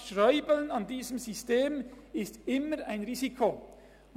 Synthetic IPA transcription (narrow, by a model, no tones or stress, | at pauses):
ʃʁœʏbəlnɑndiːzəmzʏsteːmɪstɪməaɪnʁiːzikʰo